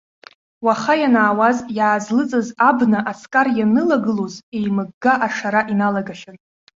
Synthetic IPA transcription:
waχajanaːwazjaːzlɨt͡sʼɨzabnaʔasʰkʼarjanɨlaɡɨloze̞jmɨɡɡaʔaʂaɾaʔinalaɡaʃan

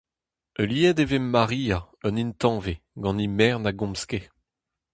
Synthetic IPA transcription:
øliɛd̪evemːaʁiːa | œnint̪ɑ̃ːveɡɑ̃nimɛːʁnaɡɔ̃mske

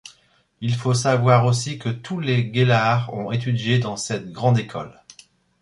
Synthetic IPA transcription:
ilfosavwaʁosikət̪ʰuleɡelaʁɔ̰̃et̪̬yd̪jed̪ɑ̃sɛt̪̚ɡʁɑ̃d̪ekʰɔ̰l

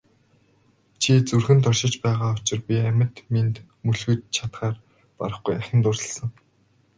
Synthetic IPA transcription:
t͡ɕʰit͡surxɘ̆nt̪ɔrʃɪ̆t͡ɕpæːʁaːʊt͡ɕɪ̆rpʲiæmʲɪ̆t̪ment̪ | muɮxɘ̆tt͡ɕʰat̪χaːr | pa̰ɾə̆χɡujaxʲɪ̆nt̪ʊrə̆ɮsə̆ŋ

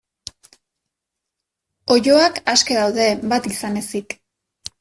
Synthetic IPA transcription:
o̞ʝo̞akaske̞ðawðe̞βat̪isane̞sik

